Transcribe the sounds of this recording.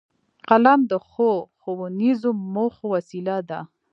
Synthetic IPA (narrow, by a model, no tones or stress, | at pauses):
qalamd̪əxoxowunizomoxowasilad̪a